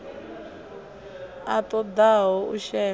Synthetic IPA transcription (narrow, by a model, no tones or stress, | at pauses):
atʼɔd̪aɦɔuʃɛː